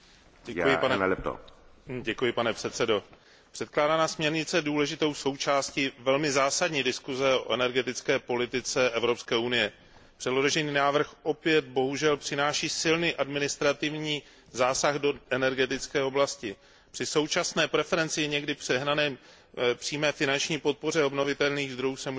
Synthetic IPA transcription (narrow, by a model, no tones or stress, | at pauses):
ɛujɪnɛɛt̪o̰ɟɛkujɪpanɛpr̥ɛt̪t͡sɛdo̞ | pr̥ɛt̪klaːdanaːsmɲɛɾɲɪt͡sɛduːlɛʒɪt̪o̞wso̞wt͡ʃaːscivɛlmɪzaːsadɲiːdɪskuzɛo̞ʔɛnɛɾɡɛt̪ɪt͡skɛːpo̞lɪt̪ɪt͡sɛʔɛvɾo̞pskɛːunɪjɛ | pr̥ɛdlo̞oʒɛniːnaːvr̩xʔo̞pjɛt̪̚bo̞ɦuʒɛlpr̥ɪnaːʃiːsɪlniːʔadmɪnɪst̪ɾat̪ɪvɲiː | zaːsaɣdo̞ʔɛnɛɾɡɛt̪ɪt͡skɛːo̞blascɪ | pr̥ɪso̞wt͡ʃasnɛːpɾɛfɛɾɛnt͡sɪjɛɲɛɡdɪpr̝̥ɛɦnanɛː | pr̥iːmɛːfɪnant͡ʃɲiːpo̞t̪̚po̞r̝ɛo̞bno̞vɪt̪ɛlniːɣzd̪ɾojuːsɛmu